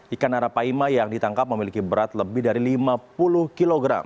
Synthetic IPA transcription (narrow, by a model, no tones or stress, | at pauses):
ʔikanaɾapaimajaŋdit̪aŋkap̚məmilikibəɾat̪ləbɪhdaɾilimapulʊhkiloɡɾa̰m